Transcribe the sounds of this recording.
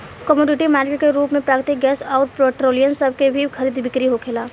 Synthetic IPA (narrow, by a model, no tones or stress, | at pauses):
kəmoːɖɪʈimaːɾkeːʈkeɾuːpmẽpɾaːkɾt̪ɪk̚ɡɛːsɔːɾpeːʈɾoːlijəmsɐb̚ʱkebʱikʰɐɾiːd̪bɪkɾiɦokʰeːlaː